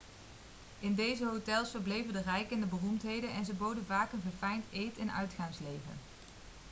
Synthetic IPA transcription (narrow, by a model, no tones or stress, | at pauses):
ʔɪndejzəɦowtɛlˠsfəɹblejvəndərɛjkəndəbərumtɦejdənɛnzəbowdənvaːkənvəɹfɛjntejtɛnœ̰ɥtχaŋslejvə̰n